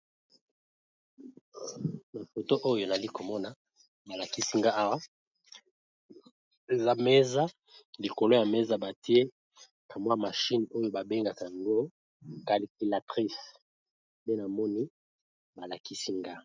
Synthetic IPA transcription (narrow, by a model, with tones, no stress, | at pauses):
na˨fo˨to˦ʔo˦jo˨na˨li˦ko˨mɔ˦na˨ | ba˨la˨ki˦si˦ŋɡa˦a˦wa˦ | e˨za˦me˦za˦ | li˨ko˨lo˦ja˨me˦za˨ba˨ti˦e˦ | ka˨mwa˦ma˨ʃi˦no˦jo˦ba˨be˦ŋɡa˨ka˨a˨ŋɡo˦ | ka˨li˨ki˨la˨tʁi˦s | be˦na˨mɔ˦ni˦ | ba˨la˨ki˦si˦ŋɡa˦